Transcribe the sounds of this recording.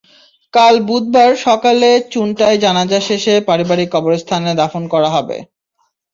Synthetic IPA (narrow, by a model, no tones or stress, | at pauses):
kalbud̪̚baɾʃɔkalet͡ɕunʈaed͡ʑanad͡ʑaʃeʃepaɾibaɾikːɔboɾest̪ʰaned̪afonkɔɾaɦɔbḛ